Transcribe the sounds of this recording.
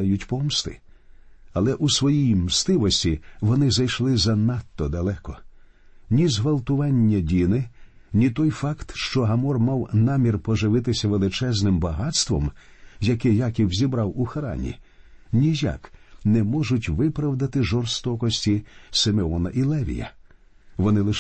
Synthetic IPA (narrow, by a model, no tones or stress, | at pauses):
jʊtʲpɔmst̪ɪ̰ | ɐlˠɛʔusʋɔjijmst̪ɪʋɔsʲtʲiʋɔnɪzɐjʃlˠɪzɐnɑt̪ːɔd̪ɐlˠɛkɔ | nʲizɦʋɐlˠt̪ʊʋɑnʲːɐdʲinɪ | nʲit̪ɔjfɑkt̪ʃt͡ʃɔɦɐmɔrmɑwnɑmʲirpɔʒɪʋɪt̪ɪsʲɐʋelˠɪt͡ʃɛznɪmbɐɦɑt̪st̪ʋɔ̰m | jɐkɪjakʲiwzʲibɾɑwuxɐɾɑ̰nʲḭ | nʲija̰knɛmɔʒʊtʲʋɪpɾɐwd̪ɐt̪ɪʒɔrst̪ɔkɔsʲtʲisemeɔnɐʔilˠɛʋʲḭjɐ̰ | ʋɔnɪlˠɪʃ